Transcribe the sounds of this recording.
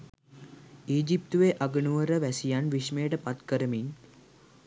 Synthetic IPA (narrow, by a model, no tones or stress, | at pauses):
iːd͡ʒip̚t̪uʋeʔaɡənuʋəɾəʋæsijanʋiʃmejəʈəpat̪kəɾəmin